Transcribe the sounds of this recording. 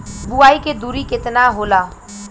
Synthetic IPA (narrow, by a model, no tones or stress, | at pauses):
buaːiked̪uːɾikɪt̪naɦoːlaː